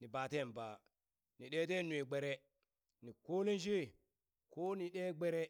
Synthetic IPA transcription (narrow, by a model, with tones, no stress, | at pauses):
ni˨ba˨te˦˨nba˨ | ni˨ɗe˦te˦nu˨e˨ɡ͡be˨ɾe˦ | ni˨ko˦li˦n˦ʃ̬i˦˨ | ko˦ni˨ɗe˦ɡ͡be˦ɾe˦